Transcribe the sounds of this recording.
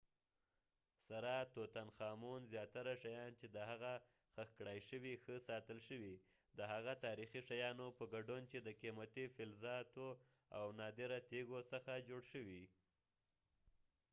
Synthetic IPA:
saɾɑt̪ot̪anxɑmunzjɑt̪aɾaʃajɑnt͡ʃed̪əɦaɣa | xəxkɽɑjʃəwixəsɑt̪əlʃəwi | d̪əɦaɣat̪ɑɾixiʃajɑnopəɡaɖunt͡ʃed̪əkimat̪ifɪlzɑt̪o | a̰wnɑd̪eɾat̪eɡosəxad͡ʒoɽʃəwi

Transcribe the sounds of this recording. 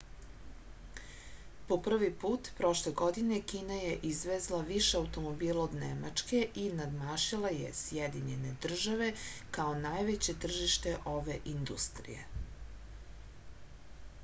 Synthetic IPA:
po̞pr̩ʋipuːt̪pɾo̞ʃleɡo̞d̪inekiːnajeʔizʋezlˠaʋiʃeawt̪o̞mobiːlaod̪nema̰t͡ʂke̞ʔinad̪maːʃilˠajḛsjed̪iɲe̞ne̞d̪r̩ʒaʋe̞kao̞najʋet͡ɕe̞t̪r̩ʒiʃt̪e̞ʔo̞ʋeʔind̪ust̪ɾḭje̞̰

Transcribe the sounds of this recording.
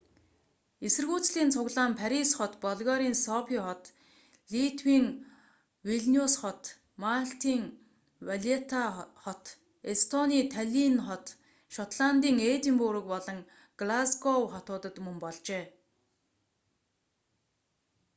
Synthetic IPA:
esɘ̆rɣuːt͡sɮiːnt͡sʰʊɣɮaːmpʰæɾisχɔt̪pɔɮɣɔɾiːnsɔpʰiːχɔt̪ | ɮit̪ʰwiːŋ | wiɮniusχɔt̪ | maɬt̪iːŋ | waɮet̪ʰaχɔt̪ | est̪ʰɔniːt̪ʰaɮʲinχɔt̪ | ʃɔt̪ɮant̪iːŋet̪impuɾə̆kpɔɮɞ̆ŋ | ɡ̥lasɡɔwχɔt̪ʊːt̪ə̆t̪mɵmpɔɮt͡ɕeː

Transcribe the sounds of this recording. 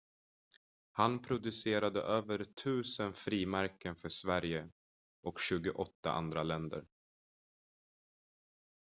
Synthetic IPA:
hanpʰɾʊd̪ɵseːɾad̪ə̰ʔøːvəɾt̪ʰʉ̟ːsənfɾiːmæɾkənfœʂvæɾjə | ʔɔkɕʉ̟ːɡʊʔɔt̪ːa̰ʔa̰nd̪ɾalɛnd̪ə̰ɾ

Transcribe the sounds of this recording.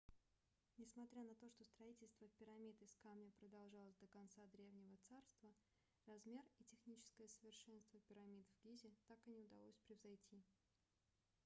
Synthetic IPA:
nʲɪsmɐt̪ɾʲanɐt̪o̞ʂt̪o̞st̪ɾɐitʲɪlʲst̪vəpʲɪɾɐmʲit̪ɪskamnʲəpɾəd̪ɐlˠʐɑlˠəsʲd̪əkɐnt̪sad̪ɾʲe̞vnʲɪvət̪sarst̪və | rɐzmʲe̞ritʲɪxnʲit͡ɕɪ̥skəjəsəvʲɪrʂɛnst̪vəpʲɪɾɐmʲit̪vɡʲizʲɪt̪akɨnʲɪʊd̪ɐ̰lˠosʲpɾʲɪvzɐjtʲʰi

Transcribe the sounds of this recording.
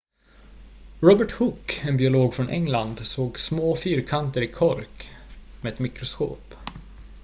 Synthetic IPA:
ɾɔbəʈhʊkːɛnbɪʊloːɡfɾɔnʔɛ̰ŋland̪soːɡsmoːfyːɾkʰant̪əɾɪkʰɔɾkmɛːɛt̪mɪkɾʊsko̰ːp

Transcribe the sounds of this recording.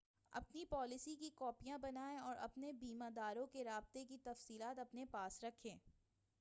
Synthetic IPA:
ɐ̰pnipɔːlɪsikikɔːpijãbɐnaːẽɔːɾʔɐ̰pnebiːmãd̪aːɾõkeɾaːb̚t̪ekit̪ɐfsiːlaːt̪ɐpnepaːsɾɐkʰːẽː

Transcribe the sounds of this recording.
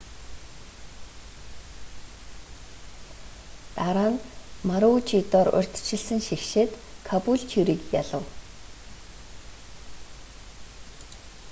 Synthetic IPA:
t̪aɾaːnmaɾʊt͡ɕit̪ɔːɾʊ̰rʲt̪ʰt͡ɕʰɪ̆ɮsɘ̆ŋʃixʃeːt̪kʰapuɮt͡ɕʰuɾiːkjaɮə̆w

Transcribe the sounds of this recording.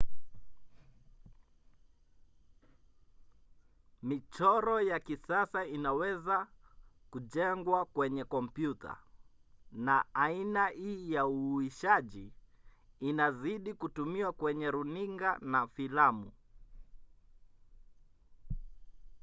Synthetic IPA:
mit͡ʃɔɾɔjakisasainawɛzakuʄɛŋɡwakwɛɲɛkɔmpjutʰa̰ | naːinaiːjauiʃaʄiː | naziɗikutumiwakwɛɲɛɾuniŋɡanafilamṵ

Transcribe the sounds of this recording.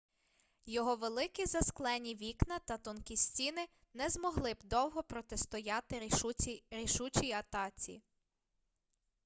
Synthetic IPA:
jɔɦɔʋelˠɪkizɐsklˠɛnʲiʋʲiknɐt̪ɐt̪ɔnkisʲtʲinɪ | nɛzmɔɦlˠɪbd̪ɔwɦɔpɾɔt̪est̪ɔjɑt̪ɪ | ɾʲiʃut͡ʃʲijɐt̪ɑt͡sʲḭ

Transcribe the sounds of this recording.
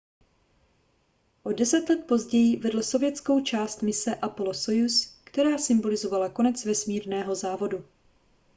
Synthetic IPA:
ʔo̞dɛsɛt̪lɛt̪̚po̞zɟɛjɪvɛdl̩so̞vjɛt͡sko̞wt͡ʃaːst̪mɪsɛʔapoloso̞juskt̪ɛɾaːsɪmbolɪzo̞valako̞nɛt͡svɛsmiːɾnɛːɦo̞zaːvo̞du

